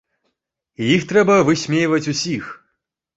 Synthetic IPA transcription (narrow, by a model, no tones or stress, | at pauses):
ijixt̪ɾɛbɐvɨsʲmʲejvɐt͡sʲusʲix